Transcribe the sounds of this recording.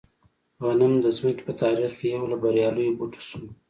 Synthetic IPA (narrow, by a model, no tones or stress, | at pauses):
ɣanamd̪əzməke̥pət̪ɑːɾixkejawlabaɾjɑlujobuʈʰu̥sum